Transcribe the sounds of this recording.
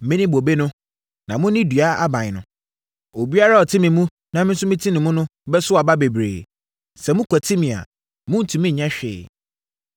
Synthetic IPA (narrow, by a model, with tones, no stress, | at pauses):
mɪ̃˦nɪ̃˦bo˨be˦nʊ̃˦ | nã˨mʊ̃˦nɪ̃˦dɥa˦a˦bã˨ɲ˨nʊ̰̃˨ | o˨bi˦a˦ɾa˦ɔ˨tʰɪ̃˦mɪ̃˨mũ˦ | nã˨mɪ̃˦n˦sʊ̃˦mɪ̃˦tʰĩ˦nɪ̃˨mũ˦nʊ̃˦bɛ˦sʊ˦a˨ba˦be˨bɾḛː˨ | sɛ˨mʊ̃˦kʰʷɛ˨tʰi˦mĩ˨a̰˨ | mʊ̃˦n̩˨tʰũ˨mĩ˦ɲ̩˨ɲã˦ɕᶣɪ̰ː˨